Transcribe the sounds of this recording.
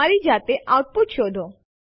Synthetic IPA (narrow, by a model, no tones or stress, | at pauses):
aɾid͡ʒat̪eʔawt̪̚put̪ʃod̪ʱo